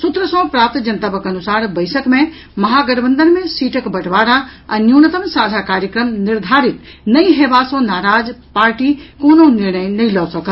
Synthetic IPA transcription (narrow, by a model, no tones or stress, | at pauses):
sʊt̪ɾəsɔ̃ːpɾaːp̚t̪d͡ʑɐnt̪əbəkɐnʊsaːɾbɐɪsəkmẽ | mɐɦaːɡɐɽbə̃nd̪ənmẽsiːʈʰəkbɐʈʰʋaːɾaɛ̃ːnjuːnət̪əmsaːd͡ʒʱakaːɾjəkɾəmnɪɾd̪ʱaːɾɪt̪nɐĩɦeːʋaːsõnaːɾaːd͡zpaːɾʈikoːnõnɪɾɳ̃əjnɐĩlɐːsɐkʰ